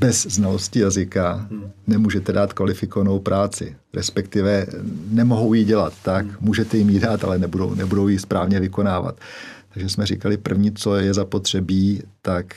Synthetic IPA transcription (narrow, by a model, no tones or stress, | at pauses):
bɛzznalo̞scɪjazɪkanɛmuːʒɛt̪ɛdaːt̪kvalɪfɪkovano̞wpɾʔaːt͡sɪ̰ | ɾɛ̰spɛkt̪ɪvɛnɛmo̞ɦo̞wjɪɟɛla̰t̪ːakmuːʒɛt̪ɛjɪmjɪdaːt̪a̰lɛnɛbudo̰wnɛbudo̞wjɪspɾaːvɲɛvɪko̞naːva̰t̪t̪ːaɡʒɛsmɛr̝ḭːkalɪpr̩vɲiːt͡so̞jɛzapo̞t̪r̝̥ɛbiːt̪ak